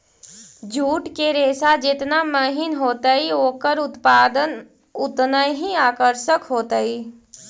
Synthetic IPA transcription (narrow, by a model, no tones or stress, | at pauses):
d͡ʒuːʈkeɾeːsad͡ʒɪt̪naməɦɪnɦoːt̪əioːkəɾʊt̪paːd̪ən | ʊt̪nəjɦiaːkəɾʃəkɦoːt̪əi